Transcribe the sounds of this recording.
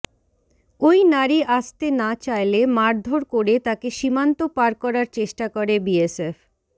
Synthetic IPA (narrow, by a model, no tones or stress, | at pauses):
ojnaɾiʔaʃt̪enat͡ɕajlemaɾd̪ʱoɾkoɾet̪akeʃimant̪opaɾkɔɾaɾt͡ɕeʃʈakoɾebiesef